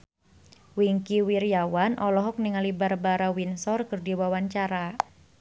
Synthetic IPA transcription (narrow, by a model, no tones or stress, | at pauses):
wiŋkiwirijawanʔɔlɔɦɔk̚niŋalibarbaɾawinsɔrkɨrdiwawaɲt͡ʃaɾa